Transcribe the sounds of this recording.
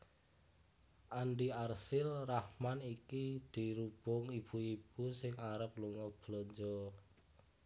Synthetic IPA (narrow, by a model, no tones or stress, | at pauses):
ʔaɳɖiarsɪlrahmanikid̪̥i̤ɾub̥ʊŋib̥uib̥usɪŋaɾəp̚luŋɔb̥lɔɲd͡ʒɔ